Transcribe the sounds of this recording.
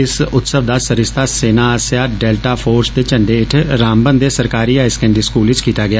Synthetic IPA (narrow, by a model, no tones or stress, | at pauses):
ɪsʊt̪səʋd̪aːsəɾɪst̪aːseːnaːaːsjaːɖɛːlʈaːpʰoːɾst̪eːt͡ʃəɳɖeːɪʈʰɾaːmbənd̪eːsəɾkaːɾiːaːɪskɛ̃ɳɖiːskuːlɪt͡ʃkiːt̪aːɡɪaː